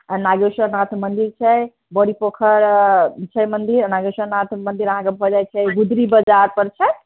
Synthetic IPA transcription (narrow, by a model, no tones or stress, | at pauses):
anaɡesənat̪ʰmənd̪iɾt͡ʃʰəj | bəɽipokʰəɾt͡ʃʰəmənd̪iɾnaɡesənat̪ʰmənd̪iɾəɦãkebʱod͡ʒajt͡ʃʰəɡud̪ɾibəd͡ʒaɾpəɾt͡ʃʰə